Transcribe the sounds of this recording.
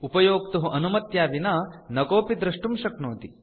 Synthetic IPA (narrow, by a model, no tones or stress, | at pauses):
upɐjoːkt̪ɐɦuʔɐnumɐt̪jaːʋinɐnɐkoːpid̪ɾɐʂʈumʃɐknoːt̪i